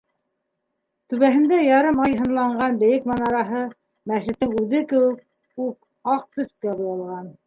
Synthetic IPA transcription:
t̪ʉβæɦɘ̆nd̪æjɑɾɤmɑjɦɤ̆nlˠɑɴɢɑnbɘ̆jɘkmɑnɑɾɑɦɤ | mæsɘ̆t̪ːɘŋʉðɘkɘ̆wɘk̚ | up̚ | ɑq̚t̪ɵ̆θkæbɤ̆jɑlˠʁɑn

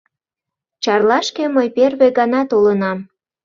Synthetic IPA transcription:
t͡ɕɑrlɑʃkeməjperβeɡɑnɑt̪olənɑm

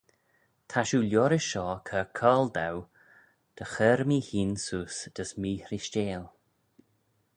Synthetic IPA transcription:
t̪ʰaʃuːljɔɾəʃɔːkʰəkʰɔːld̪aw | d̪̥əxəːɾmiːhiːnsuːsd̪̥əsmiːɾɪʃt͡ʃeːl

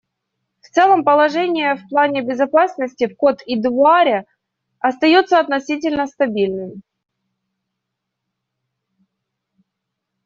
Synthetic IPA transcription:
ft̪sɛlˠəmpəlˠɐʐɛnʲɪjəfplˠanʲɪbʲɪzɐpasnəsʲtʲɪfko̞t̪id̪vʊaɾʲɪ | ɐst̪ɐjo̞t̪səɐt̪nɐsʲit̬ʲɪlʲnəst̪ɐbʲilʲnɨmʲ

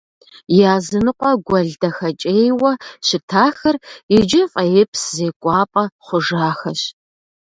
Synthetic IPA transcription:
jaːzɨnɨqʷʼɔɡʷɐɮdɐxɐt͡ʃʼeːjwɐɕɪtʰaːxɐrid͡ʒɪfʼɐjɪpʰszeːkʷʼɑːpʼɐχʷʊʒaːxɐɕ

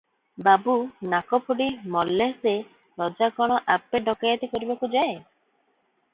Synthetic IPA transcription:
babunakɔpʰuɖimɔlːese | ɾɔd͡ʒakɔɽ̃ɔʔapeɖɔkajat̪ikɔɾibakud͡ʒae

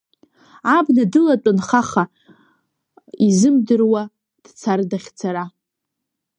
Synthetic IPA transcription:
abnadɨlat͡pʷʼʊnχaχa | izɨmdɨrwa | d̥t͡sʰardaχʲt͡sʰaɾa

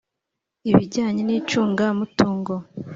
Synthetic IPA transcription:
iβiɟaːɲeniːt͡ʃuːŋɡamutuːŋɡo

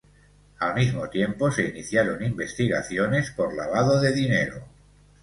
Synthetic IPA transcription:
almizmot̪je̞mpo̞se̞iniθjaɾo̞nimbe̞st̪iɣaθjo̞ne̞spo̞ɾla̰β̞aðoðe̞ðineɾo

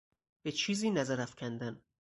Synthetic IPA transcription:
b̥et͡ʃʰiːziːnæzæɾæfcʰʲænd̪æn

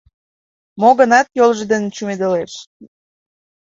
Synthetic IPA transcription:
moɣə̆nɑt̪jolˠʒəd̪ent͡ɕumed̪əleʃ

